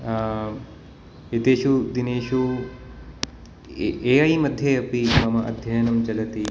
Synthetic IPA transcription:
et̪eːʃud̪ineːʃu | eːɐjmɐd̪ʱjeɐpimɐmɐʔɐ̰d̪ʱjɐjɐnɐmt͡ʃɐlɐt̪i

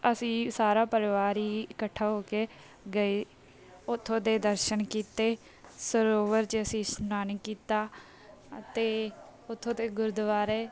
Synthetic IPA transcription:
əsĩːsaːɾaːpəɾɪʋaːɾiːɪkəʈʰːaːɦoːkeː | ɡəiː | ʊt̪ʰːõːd̪eːd̪əɾʃənkiːt̪eː | səɾoːʋəɾt͡ʃəsĩːsʊnaːnikːiːt̪aː | ət̪eː | ʊt̪ʰːõːd̪eːɡʊɾd̪ʋaːɾɛː

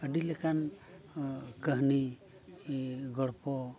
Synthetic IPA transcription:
əɖilɛkan | kəɦni | ɡɔɽpɔ

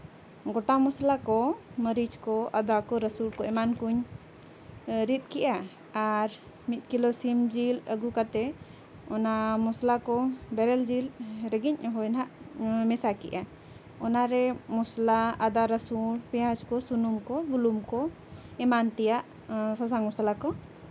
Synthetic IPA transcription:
ɡɔʈamɔslakɔməɾid͡ʒkɔʔad̪akɔɾəsulkɔɛmankuɲ | ɾit̪̚kɛʔaː | ɾ | mit̪̚ˀkilɔsimd͡ʒiləɡukat̪ɛ | ɔnamɔslakɔbɛɾɛld͡ʒilɾɛɡiɲɦɔjnɦaʔmɛsakḭʔa | ɔnaɾɛmɔslaad̪aɾəsulpɛjãd͡ʒkɔsunumkɔbulumkɔ | ɛmant̪ɛjaʔ | sasaŋmɔsalakɔ

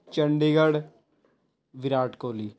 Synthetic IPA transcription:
t͡ʃəɳɖiːɡəɽ | ʋɪɾaːʈkoːliː

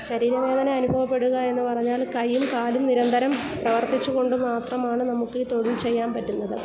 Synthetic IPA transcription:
ɕɐɾiːɾɐʋe̞ːðɐnɐɐnubʱɐʋɐpːe̞ɽuɣɐe̞nːɨpɐrɐɲːaːlkɐjːumkaːlumniɾɐnd̪ʱɐɾɐm | prɐʋɐrt̪it͡ɕːuɣo̞ɳɖɨmaːt̪rɐmaːɳɨnɐmukːɨt̪o̞ɽilt͡ɕe̞jːaːmpɐtːunːɐðɨ

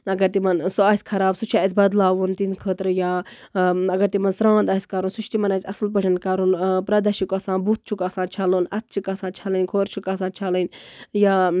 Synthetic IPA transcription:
ɐɡɐɾt̪imɐnsuaːsʲkʰɐɾaːbsut͡ʃʰaːsʲbɐd̪laːʋunt̪inkʰəːt̪ɾɨjaː | ɐɡɐɾt̪imɐnsɾãːnd̪aːsʲkɐɾunsut͡ʃt̪imɐnaːsʲɐslpəʈʰʲɐnkɐɾunpɾɐd̪ɐʃikɐsãːnbut̪̚t͡ʃʰukasãːnt͡ʃʰaluːnɐt̪̚t͡ʃʰikɐsãːt͡ʃʰɐlənkʰoːɾt͡ʃʰukaːsãːnt͡ʃʰalənʲjaː

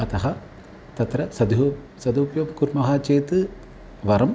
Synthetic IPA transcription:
ɐt̪ɐɦɐ | t̪ɐt̪ɾɐsɐd̪u | sɐd̪upjɐmkuɾmɐɦaːt͡ʃeːt̪ɨ | ʋɐɾɐm

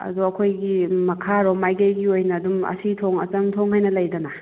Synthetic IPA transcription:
ɐ̰duɐkʰojɡimɐkʰaɾɔmajɡejɡiojnɐːdumɐ̰sitʰoŋɐ̰t͡ʃɐmtʰoŋɦajnɐlɐjdɐna

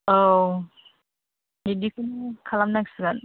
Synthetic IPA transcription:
o | nidikʰɯnkʰalamnaksɯɡan

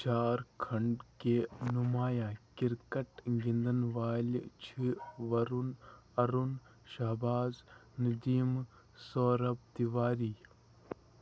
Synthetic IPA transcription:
t͡ʃaːɾkʰɐɳɖkenumaːjãːkiɾkɐʈɡĩnd̪ənʋaːlt͡ʃʰiʋɐɾunɐɾun | ʃɐɦbaːznɐd̪iːm | soːɾɐb̚d̪iʋaːɾiː

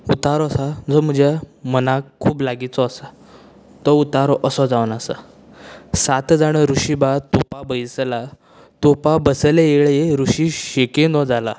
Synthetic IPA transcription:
ut̪aɾɔəsad͡zɔm̤əd͡ʑjamənakʰːuːplaɡit͡sɔːsa | t̪ɔut̪aɾɔʔəsɔd͡zaʋnasa̰ | sat̪d͡zaɽ̃əɾuɕibat̪opabəjsla | t̪opabəsəleeɭeɾuɕiɕekend̪ɔd͡zala

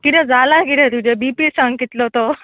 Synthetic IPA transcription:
kiʈ̪ɛ̃d͡zalakiɾẽt̪ud͡ʑebipisaŋɡit̪lot̪o

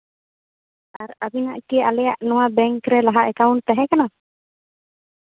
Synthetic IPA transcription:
aɾabinaʔkialɛjaʔnɔ̃wabɛŋkɾɛlaɦaʔɛkawɳʈ̚t̪aɦɛkana

